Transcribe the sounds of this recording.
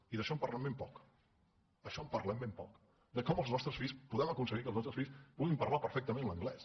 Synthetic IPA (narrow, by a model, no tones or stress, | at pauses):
iðəʃɔmpərlɛmbempɔk | əʃɔəmpə̰ɾlɛmbempɔk | d̪əkɔməlˠznɔst̪ɾəsfiʎspuðɛməkunsəɣikəlznɔst̪ɾəsfiʎspulˠɡimpərlapəɾfɛk̚t̪əmẽnləŋɡlɛs